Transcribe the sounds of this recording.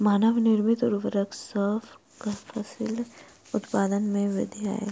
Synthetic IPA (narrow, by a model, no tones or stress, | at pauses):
maːnəʋnɪɾmɪt̪ɔɾʋəɾəksəfʰ | ɡɐfʰɐsɪl | ʊt̪paːd̪ənmẽʋɪ̰d̪ja̰ɛ̰ː